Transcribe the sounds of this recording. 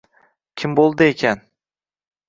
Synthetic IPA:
kʲʰɪmbolˠd̪ɨekʲʰan

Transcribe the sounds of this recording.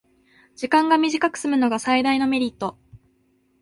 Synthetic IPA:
d͡ʑikãŋɡamʲiʑikakɯ̟̥sɨmɯ̟no̞ɡasaid̪aino̞me̞ɾʲit̪ːo̞

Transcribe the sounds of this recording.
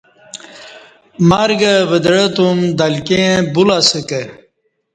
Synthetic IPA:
maɾɡəʋəd̪ɽət̪umd̪ɐlkẽbulasəke

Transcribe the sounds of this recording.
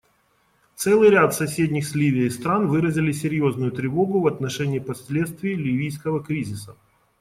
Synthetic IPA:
t̪sɛlˠɨjɾʲat̪sɐsʲedʲnʲɪxsʲlʲivʲɪjəɪst̪ɾanvɨɾəzʲɪlʲɪsʲɪɾʲjoznʊjʊt̪ɾʲɪvo̞ɡʊvɐt̪nɐʂɛnʲɪːpɐsʲlʲet̪st̪vʲɪjlʲivʲijskəvəkɾʲizʲɪsə

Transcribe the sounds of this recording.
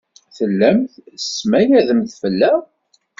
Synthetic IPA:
θəlːæmθsːmæjæðəmθfəlːæ

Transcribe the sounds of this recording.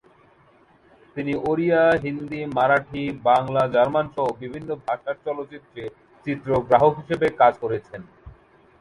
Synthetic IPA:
t̪iniʔoɾijaɦind̪imaɾaʈʰibaŋlad͡ʑaɾmanʃɔɦobibʱinːobʱaʃaɾt͡ɕɔlot͡ɕit̪ːɾe | t͡ɕit̪ːɾoɡɾaɦoɦiʃebekad͡ʑkoɾet͡ɕʰen

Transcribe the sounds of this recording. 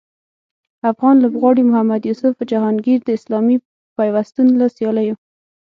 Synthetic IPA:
afɣɑnlʊbɣwɑɽimʊhamːad̪jusʊfd͡ʒahɑnɡiɾd̪əɪslɑmi | pajwast̪unlasjɑlajo

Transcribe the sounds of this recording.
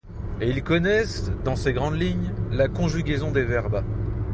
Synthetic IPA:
eilkɔnɛsd̪ɑ̃seɡʁɑ̃d̪liɲlakɔ̃ʒyɡʲezɔ̃d̪evɛʁba

